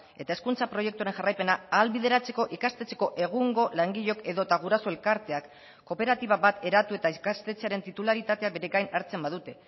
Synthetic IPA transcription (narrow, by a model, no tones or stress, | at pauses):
e̞t̪ae̞skunt͡sapɾo̞je̞k̚t̪uaɾe̞nʝarajpe̞naaːlβiðe̞ɾat͡se̞ko̞ʔikast̪e̞t͡se̞̥ko̞ʔe̞ɣuŋɡo̞laŋɡiʎo̞ke̞ðo̞t̪aɣ̞uɾasoe̞lkaɾt̪e̞akː | o̞pe̞ɾat̪iβ̞aβat̪e̞ɾat̪ue̞t̪aikast̪e̞t͡seaɾe̞nt̪it̪ulaɾit̪at̪e̞aβe̞ɾeɡajnaɾt͡se̞mbaðut̪e̞